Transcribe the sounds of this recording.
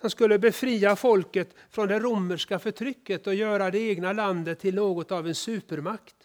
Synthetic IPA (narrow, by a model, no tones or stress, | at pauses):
hanskɵlːəbɛfɾiːafɔlkət̪ | fɾɔnd̪ɛɾumːəʂkafœʈʰɾʏkːət̪ɔjœːɾad̪ɛeːɡnaland̪ət̪ʰːɪlnoːɡɔt̪avɛnsʉ̟ːpəɾmakt̪